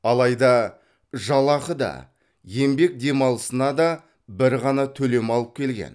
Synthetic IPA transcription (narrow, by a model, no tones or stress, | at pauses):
ɑlˠɑjd̪ɑ | ʒɑlˠɑqəd̪ɑ̰ | je̞mbe̞k̚d̪e̞mɑlˠəsənɑd̪ɑ | bɪɾʁɑnɑt̪ʰɵle̞mɑlˠəp̚kʲʰe̞lɡʲe̞̰n